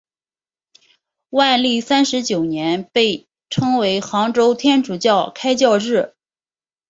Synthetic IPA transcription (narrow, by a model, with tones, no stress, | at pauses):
wa˥˧nli˥˩sa˥nʂɻ̩˧˥t͡ɕjo˨˩ʊnjɛ˧˥npe˥˩ɪ | ʈ͡ʂʰɤ˥ŋwe˧˥ɪxɑ˧˥ŋʈ͡ʂo˥ʊt̪ʰjɛ˥nʈ͡ʂu˨˩t͡ɕjɑ˥˩ʊkʰa˥ɪt͡ɕjɑ˥˧ʊɻɻ̩˥˩